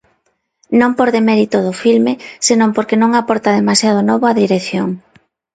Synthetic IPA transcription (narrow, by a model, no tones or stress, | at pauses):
nõmpoɾðemɛɾit̪oð̞ʊfilmɪsenõmpoɾkenõŋapɔɾt̪aðemasjað̞ʊnɔβoaðiɾeθjoŋ